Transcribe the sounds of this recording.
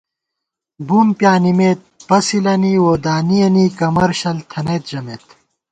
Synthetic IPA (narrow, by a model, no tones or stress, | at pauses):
buːmpjaːnimeːt̪̚pɐsilɐniːwoːd̪aːnijɐniːkɐmɐɾɕɐlt̪ʰɐneːt̪̚d͡ʑɐmeːt̪